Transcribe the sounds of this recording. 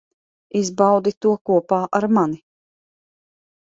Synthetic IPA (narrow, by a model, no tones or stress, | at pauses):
izbawd̪it̪uɔkuɔpaːʔaɾmani